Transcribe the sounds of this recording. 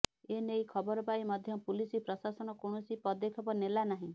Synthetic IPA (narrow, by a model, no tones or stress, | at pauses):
enejkʰɔbɔɾɔpaimɔd̪ʱjɔpulisipɾɔsasɔnɔkoɳ̃ɔsipɔd̪ekʰɔbɔnelanaɦĩ